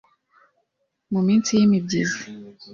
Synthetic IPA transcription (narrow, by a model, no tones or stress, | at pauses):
mumint͡sʰijimib̚diz